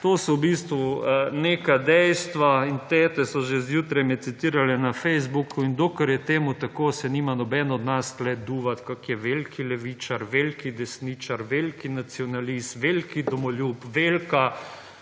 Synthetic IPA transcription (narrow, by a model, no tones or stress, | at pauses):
t̪oːsɔwbist̪ʋuneːkad̪ɛjst̪ʋaint̪ɛːt̪ɛsɔʒezjuːt̪ɾɛjmɛt̪sit̪iːɾalɛnafɛjzbukʰuind̪oːkəɾjɛt̪eːmut̪akoːsɛniːmanɔbɛnɔd̪nasklɛd̪uːʋat̪kakjɛʋelkʰilɛʋiːt͡ʃaɾʋelkid̪ɛsniːt͡ʃaɾʋelkinat̪siɔnalist̪ʋelkid̪ɔmɔlʲjupʋeːlka